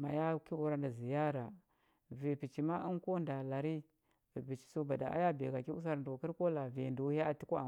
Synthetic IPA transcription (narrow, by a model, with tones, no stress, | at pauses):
ma˨ja˦ki˦u˦ɾa˦nda˨zi˨ja˦ɾa˨ | vi˨pi˨t͡ʃi˨ma˦i˦n˦ko˦nda˨la˨ɾi˦ | vi˨pi˨t͡ʃi̥˨so˦ba˨da̰˨ʔa̰˦ja˦be˨ɡa˨ki˦u˦s̬a˦ɾdu˨ki˦ɾko˦la˨ve˨ndu˨˦ja˦a˨ti˦kʷu˦a˨